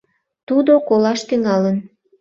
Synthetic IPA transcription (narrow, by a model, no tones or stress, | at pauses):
t̪ud̪okolɑʃt̪yŋɑlən